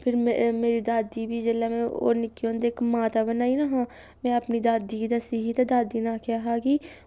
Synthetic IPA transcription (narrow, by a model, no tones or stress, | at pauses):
pʰɪɾmeːɾiːd̪aːd̪iːbiːd͡ʒeːlaːmɛ̃ːo̰ːnɪkːiõːnd̪eːkmaːt̪aːbənaːiːnaːɦãː | mɛ̃ːəpniːd̪aːd̪iːkid̪əsiːɦiːt̪aːd̪aːd̪iːnaːkʰjaːɦaːkiː